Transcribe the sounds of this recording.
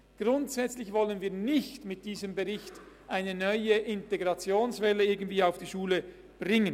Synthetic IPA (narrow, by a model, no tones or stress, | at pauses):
ɡ̥ʁʊntsɛt͡slɪçvɔlənviːɐnɪçtmɪt̚d̥iːzəmbəʁɪçt | ʔaɪnənœʏəʔɪnteɡʁɑt͡sjoːnsvɛləɪɐɡən̩tv̥iːaʊfd̥iːʃuːlə | b̥ʁɪŋən